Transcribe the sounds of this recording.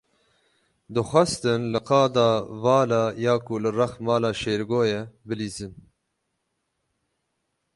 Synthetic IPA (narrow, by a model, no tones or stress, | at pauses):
d̪ɨxʷɛst̪ɨnlɨqɑːd̪ɑːvɑːlɑːjɑːkulɨrɐxmɑːlɑːʃeːɾɡoːjɛbɨliːzɨn